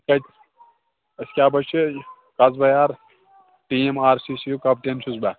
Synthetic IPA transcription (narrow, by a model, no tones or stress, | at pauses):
kɐ | ɐsʲkʲaːbɐt͡ʃʰɨ | kɐzbɐjaːɾ | ʈiːemaːɾsisijukɐp̚ʈenʃʰuzbɐ